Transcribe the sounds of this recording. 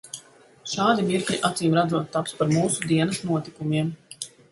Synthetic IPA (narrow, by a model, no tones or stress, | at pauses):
ʃaːd̪imiɾkʎʲiʔat̪siːmɾad̪zuːt̪ːapspaɾmuːsud̪iɛnɐsnuɔt̪ikumiɛm